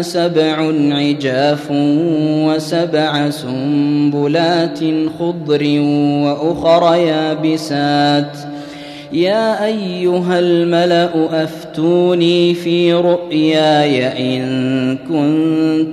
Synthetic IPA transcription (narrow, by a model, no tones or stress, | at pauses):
sabʕʊnʕɪd͡ʒaːf | wasabʕasʊmbʊlaːt̪xʊd̪ˤɾɪwaʔʊxɾˤɑjaːbɪsaːt̪ | jaːʔajːʊɦalmalaʔʊʔaft̪uːniːfiːɾʊʔjaːjaʔɪnkʊnt̪